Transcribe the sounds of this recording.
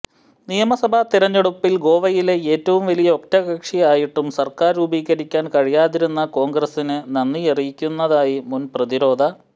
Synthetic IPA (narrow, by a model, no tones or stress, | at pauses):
nijɐmɐsɐbʱɐt̪iɾɐɲːeɽupːilɡo̞ːʋɐjile̞eːtːɐʋumʋɐlijɐok̚tɐɣɐkʂijaːjiʈːumsɐrkaːɾubiːɣɐɾikʲːaːnkɐɻijaːðiɾunːɐko̞ːŋɡrɐsinɨnɐnːierijikʲːunːɐðaːjimunprɐðiɾo̞ːd̪ʱɐ